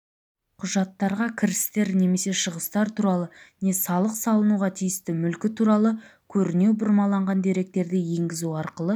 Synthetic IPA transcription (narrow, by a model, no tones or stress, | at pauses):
qʰʊʒɑt̪ːɑɾʁɑkʲʰɪɾɪ̥st̪e̞ɾne̞me̞se̞ʃəʁəst̪ɑɾt̪ʰuɾɑlˠəne̞sɑlˠəqsɑlˠənuʁɑt̪ʰijɪst̪ɪmʏlkʲɪt̪ʰuɾɑlˠəkʲʰɵɾɪne̞wbʊɾmɑlˠɑɴʁɑnd̪e̞ɾe̞k̚t̪e̞ɾd̪ɪje̞ŋɡʲɪzuɑɾqəlˠə